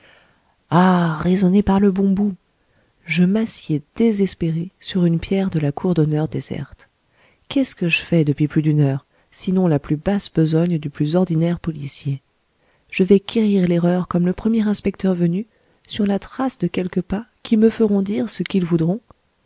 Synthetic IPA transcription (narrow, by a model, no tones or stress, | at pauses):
aʁezɔnepaʁləbɔ̃bu | ʒəmasjɛd̪̥ezɛspeʁesyʁynpjɛʁd̪əlakʰuʁd̪ɔnœʁd̪ezɛ̰ʁt̪ | kʲɛskəʒəfɛd̪əpɥiplyd̪ynœːʁ | sinɔ̃laplybasbəzɔɲd̪yplyzɔʁd̪inɛʁpɔlisje | ʒ̥əvɛkʲʰeʁiʁleʁœʁkɔmləpχəmjɛʁɛ̃spɛk̚t̪œʁvəny | syʁlat̪χasd̪əkʲɛlkəpakʲiməfəʁɔ̃d̪iʁsəkilvud̪ʁɔ̃